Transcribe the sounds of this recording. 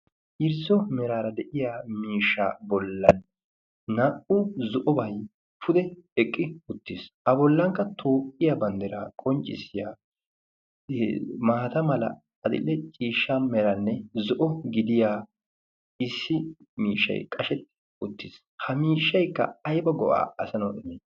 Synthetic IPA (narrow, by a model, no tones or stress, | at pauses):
ʔɪɾsɔmɛɾaːɾɐd̪ɛʔɪjaːmiːʃːa̰ːbɔlːɐnː | ɐʔʊzɔʔɔbɐj | fʊd̪ɛɛkʼːɪʊt̪ːɪsʔɐbɔlːɐŋkːɐt̪ʰoːkʼːɪjabɐnd̪ɛɾaːkʼɔnt͡ʃʼːɪ̰sɪjaː | maːt̪ɐmɐlɐ̰ | ɐd̪ɪ̰lːɛt͡ʃʼiːʃːamɛɾɐnːɛzɔʔɔɡɪd̪ɪjaː | ɪsːɪmiːʃːɐ̰jkʼɐʃɛt̪ːɛ̥ | ʊt̪ːɪːs | hɐmiːʃːɐjkːɐ̰ɐjbɐɡɔʔa̰ːɐsɐnɔɪneː